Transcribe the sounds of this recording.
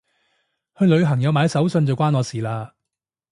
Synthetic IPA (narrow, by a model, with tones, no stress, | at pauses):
hɵ˧ɥlɵ˨˧ɥɦɐ˨˩ŋjɐ˨˧wmaː˨˧sɐ˨˥wsɵ˧nt͡sɐ˨wkʷaː˥nɔː˨˧siː˨˩laː˧